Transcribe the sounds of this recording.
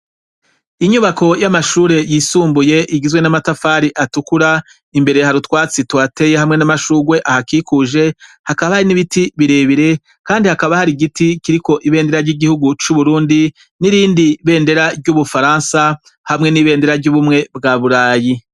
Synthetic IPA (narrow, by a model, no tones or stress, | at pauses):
iɲuβakʰo̞jamaʃuːɾe̞jiːsuːmbuje̞ʔiɡizɡwe̞namatafaːɾiʔatukuɾa | imbe̞ɾehaɾutwaːt͡sitwaːte̞jehamŋe̞namaʃuːɡwe̞ʔahakikuʒe̞hakaβahaɾiniβitiβiɾe̞βiɾe̞ | kaːndihakaβahaɾiɡitikiɾiko̞ʔiβe̞ːnde̞ɾaɾɟiɡihuɡut͡ʃuβuɾuːndi | niɾiːndiβe̞ːnde̞ɾaɾɟuβufaɾaːnsa | hamŋe̞niːβe̞ːnde̞ɾaɾɟuβumŋe̞bɡaːβuɾaːji